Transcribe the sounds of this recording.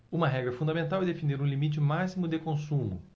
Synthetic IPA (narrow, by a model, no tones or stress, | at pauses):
ũmɐɦɛɡɾɐfũd̪ɐamẽnt̪awɛd̪efineɾũlimit͡ʃɪmasimʊd̪ekõsũmʊ̰